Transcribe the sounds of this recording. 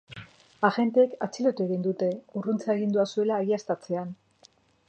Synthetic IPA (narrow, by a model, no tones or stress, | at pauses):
aɣe̞nt̪eːkat͡silo̞t̪ue̞ɣind̪ut̪e̞urunt͡saeɣind̪uasue̞laːɣiast̪at͡se̞an